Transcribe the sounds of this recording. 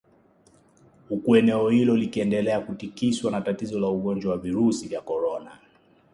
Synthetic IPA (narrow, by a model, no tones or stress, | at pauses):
hukuɛnɛɔhilɔlikiɛndɛlɛakutikiswanatatizɔlauɠɔnd͡ʒwawaviɾusivjakɔɾɔna